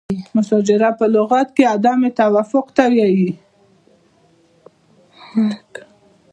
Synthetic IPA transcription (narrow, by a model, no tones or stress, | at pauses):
mʊsɑd͡ʒɪɾapəlʊɣɑt̪kead̪ɑmet̪awafʊqt̪awjɑji